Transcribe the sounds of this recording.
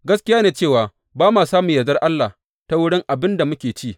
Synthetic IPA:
ɡɐ˦skʲɪ˦jaː˦neː˨t͡ʃeː˦˨waː˨ | baː˦maː˨saː˦mʊ˨jɐ˨zɐ˦rʔa˦lːa˨ | ta˦wʊ˦ɽɪ˦ŋʔa˨bɪ˦nda˨mʊ˦kʲeː˨t͡ʃi˦˨

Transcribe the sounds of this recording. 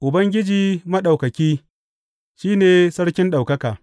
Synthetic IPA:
ʔʊ˨bɐ˦ŋɡʲɪ˦d͡ʒiː˨mɐ˦ɗa˨wkɐ˨kʲiː˦ | ʃiː˦neː˨sɐ˦ɽkʲɪ˦nɗa˨wkɐ˦kaː˨

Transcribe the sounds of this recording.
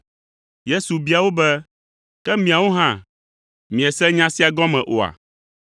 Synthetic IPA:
je˦su˨bi˨˦a˨wo˦bɛ˦ | kɛ˦mĩ˨a˨wo˦ɦã˦˨ | mĩ˨ɛ˨sɛ̃˦ɲã˦si˦a˨ɡɔ̃˦mɛ̃˨ʔo˨a̰˨

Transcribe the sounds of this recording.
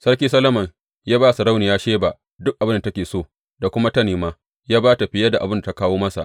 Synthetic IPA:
sɐ˦kʲiː˦sɐ˦lɐ˦mɐ˨ŋ | jaː˦baː˦˨su˨ɽa˦wniː˨jaː˦ʃeː˦ba˨ | dʊ˦k̚ʔa˨bɪ˦nda˨tɐ˦kʲeː˨soː˦˨ | da˨kʷʊ˦ma˦tɐ˦neː˨maː˦ | jaː˦baː˦ta˨ɸɪ˨˦jɐ˦da˨ʔa˨bɪ˦nda˨ta˦kaː˦woː˦mɐ˦sa̰˨ʔ

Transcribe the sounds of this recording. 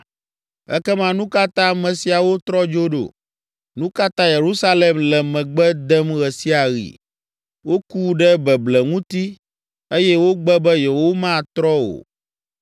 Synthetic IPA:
ɛ̰˦kɛ˦mã˦nũ˦ka˦t̪ã˦˨mɛ̃˨si˨a˨wo˦t̪ɾɔ˦d͡ʒo˦ɖo̰˨ | nũ˦ka˦t̪ã˦je˨ɾu˦sa˦lɛ˨mlɛ˨mɛ̃˨ɡ͡bɛ˦d̪ɛ˦mɣɛ˨si˦a˨ɣḭ˨ | wo˦ku˦ɖɛ˦bɛ˨blɛ˨ŋũ˦t̪i˦ | e˦jɛ˦wo˦ɡ͡bɛ˦bɛ˦je˨wo˦mã˦˨t̪ɾɔ˦wo̰˨

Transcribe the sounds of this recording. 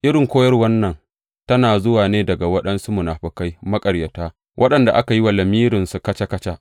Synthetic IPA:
ʔɪ˦ɾɪ˨ŋkʷoː˦jɐ˦rwɐ˦nːɐ˨n | tɐ˦naː˨zʊ˦waː˨neː˦dɐ˨ɡa˨wɐ˦ɗɐ˦nsu˦mʊ˨naː˨ɸɪ˨ka˦jmɐ˦kʼɐ˨ɽjɐ˨taː˦ | wʔɐ˦ɗɐ˨nda̰˨ʔa˦ka˨ji˦wa˨lɐ˨miː˦ɾɪ˨nsu˨kɐ˦t͡ʃa˦kɐ˦t͡ʃa˦ʔ

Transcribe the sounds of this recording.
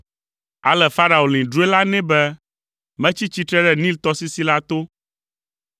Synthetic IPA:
a̰˨lɛ˨fa˦ɾa˨o˨lĩ˨ɖu˦e˦la˦nɛ̃˦bɛ˦ | mɛ̃˦t͡ɕi˦t͡ɕi˦t̪ɾɛ˦ɖɛ˦˨nĩ˦lt̪ɔ˦si˦si˦la˦t̪o˦

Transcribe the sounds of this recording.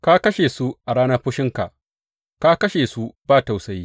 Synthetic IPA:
ka˦kɐ˦ʃe˨su˦ʔa˨ɽaː˦nɐ˦ɸʊ˦ʃɪ˦ŋka̰˨ʔ | ka˦kɐ˦ʃeː˨su˦baː˦ta˨wsɐ˦jiː˦

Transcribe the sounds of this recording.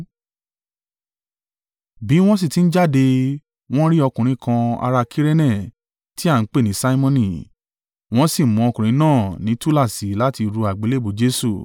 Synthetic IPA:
bi˨˦w̃ɔ̃˦s̬i˦˨ti˨˦n̩˦d͡ʒa˦˨de˧ | w̃ɔ̃˦ɾi˦ɔ˧kũ˨ɾ̃ĩ˧˦kã˧a̰˧ɾa˧kʰi˦ɾe˦nɛ̃˦˨ | ti˦a˦˨n̩˦k͡pe˦˨nĩ˨˦sa˦i˦mɔ̃˦nĩ˨ | w̃ɔ̃˦si˦˨mɔ̃˨˦ɔ˧kũ˨ɾ̃ĩ˨˧˦nãː˦˨nĩ˨˦tu˦la˦˨si˨la˦ti˧ɾu˧a˨ɡ͡be˨˦le˦˨bo˨d͡ʒe˦su˦˨

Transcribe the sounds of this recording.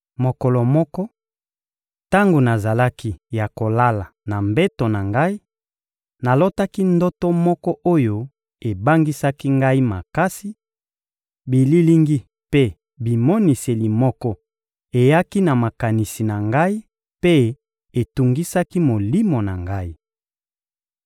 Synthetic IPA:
mo˨kɔ˨lɔ˨mɔ˦kɔ˦ | ta˦ŋɡo˨na˨za˨la˦ki˦ja˨ko˨la˦la˨na˨mbe˦to˨na˨ŋɡa˦i˦ | na˨lo˦ta˦ki˦ndo˦to˦mɔ˦kɔ˦ʔo˦jo˦ | e˨ba˦ŋɡi˦sa˦ki˦ŋɡa˦i˦ma̰˨ka˦si˦ | bi˨li˦li˦ŋɡi˦ | pe˦ | bi˨mo˦ni˨se˨li˨mɔ˦kɔ˦ | e˨ja˦ki˦na˨ma˨ka˨ni˨si˨na˨ŋɡa˦i˦ | pe˦ | e˨tu˨ŋɡi˦sa˦ki˦mo˨li˦mo˨na˨ŋɡa˦i˦

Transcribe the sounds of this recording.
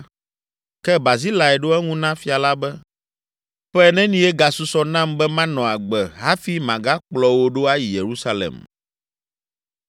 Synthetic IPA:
kɛ˦ba˨zi˦la˨ɛ˨ɖo˦ɛ˦ŋũ˦nã˦fi˦a˨la˦bɛ˦ | ɸɛ˦ɛ˨nɛ̃˦nĩ˦ɛ˦ɡa˨su˦sɔ˦nã˦mbɛ˦mã˦nɔ̃˨a˨ɡ͡bɛ˨ɦa˦fi˦mã˨ɡa˦k͡plɔ˦wo˦ɖo˦a˦ji˨je˨ɾu˦sa˦lḛ˨m

